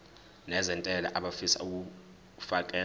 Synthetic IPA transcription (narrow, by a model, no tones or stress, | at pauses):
nɛzɛntʼɛla̰ʔaɓafisa̰uk̬u | fakʼɛː